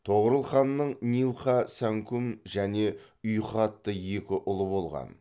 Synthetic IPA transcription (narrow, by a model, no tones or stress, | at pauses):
t̪ʰo̞ʁəɾəlˠχɑnːəɴnijlˠχɑsæŋkumʒæne̞ | ʊjχɑt̪ːəje̞kʲɪʔʊlˠəbo̞lˠʁɑ̰n